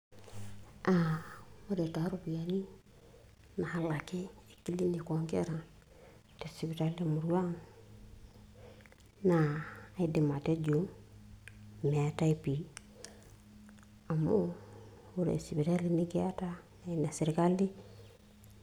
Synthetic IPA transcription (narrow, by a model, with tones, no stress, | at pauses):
ʔama˦de˨ta˨ɾo˨bi˨ja˨ni˦ | na˨ha˦la˨ke˦e˨ki˦li˦ni˨ko˨ŋkḛ˦ɾa˨ | te˨si˨pi˨ta˦li˦mu˨ɾwa˦ŋ | naː˨i˦di˨ma˨te˦d͡ʒo˨ | me˨a˨ta˦i˨pi˨ | a˨mo˦ | u˨ɾḛ˨si˨pi˨ta˦lini˦ke˦a˦ta˦ne˨ne˨seɾi˨ka˦li˦